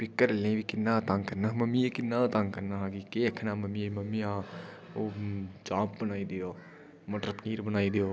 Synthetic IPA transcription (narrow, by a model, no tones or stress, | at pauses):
pɪkːəɾlẽʋikɪnːat̪ãŋkɐɾnaɦmɐmijekɪnːat̪ãŋkɐɾnaɦakikeɐkʰnamɐmijemɐmiã | od͡ʒãːp̚bənaːid̪ijoː | mɐʈɾəpniːɾbənaːid̪ijoː